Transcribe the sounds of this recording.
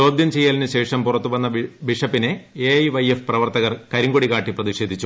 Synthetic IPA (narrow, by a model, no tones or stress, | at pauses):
o̞ːd̪ʱjɐmt͡ɕe̞jːaːlinɨɕe̞ːʂɐmpurɐt̪ːuʋɐnːɐʋiʂɐpːine̞eɐjʋɐjefprɐʋɐrt̪ɐɣɐrkɐɾiŋɡoɽiɣaːʈːiprɐðiʂe̞ːd̪ʱit͡ɕːu